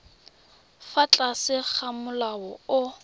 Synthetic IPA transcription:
fat͡ɬʼasɪk͡xʰamʊlawɔʊ

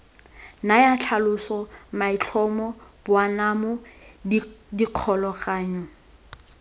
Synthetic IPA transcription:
najat͡ɬʰalʊsɔmait͡ɬʰɔmɔb̥ʊwanamʊ | diq͡χʰɔlɔχaːɲɔ

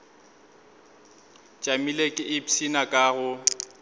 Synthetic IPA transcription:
t͡ʃʼamilekʼɪʔɪpsinakʼaɣʊ

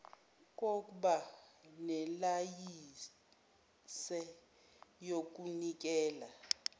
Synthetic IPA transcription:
k̬ʼok̬ʼuɓanɛlaji | sɛ | jok̬ʼunik̬ʼɛːla

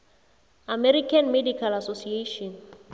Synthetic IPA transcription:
amɛɾikʰanmedikʰalasosieʃɔn

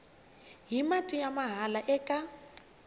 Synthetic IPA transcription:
ɦimatʼijamaɦalaʔɛkʼa

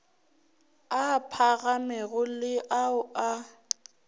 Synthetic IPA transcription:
apʰaɣamɛɣʊlɪʔaʊa

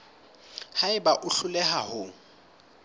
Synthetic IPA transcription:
haɪbaʔʊɬʊlɛɦahʊ

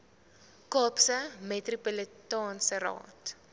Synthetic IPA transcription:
kɔːpsəmɛtripələtɑːnsəɾɑ̰ːt

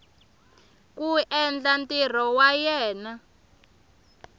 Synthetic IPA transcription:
kuʔɛnd͡ɮantʼir̤ɔwajɛːna

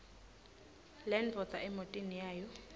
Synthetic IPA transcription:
lɛnvɔt͡sʼaʔɛmotʼinijaːjɔ

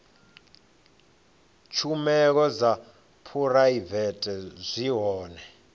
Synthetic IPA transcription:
t͡ʃʰumɛk̬ɔd͡za | pʰuraivɛtʼɛzʷiɦɔːnɛ

